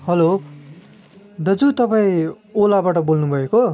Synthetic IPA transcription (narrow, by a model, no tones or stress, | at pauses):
ɦʌlo | d̪ʌd͡zut̪ʌpaĩ | olabaʈʌbolnubʱʌeko